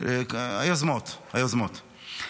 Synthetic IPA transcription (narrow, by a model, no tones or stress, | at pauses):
ajozmot̪hajozmot̪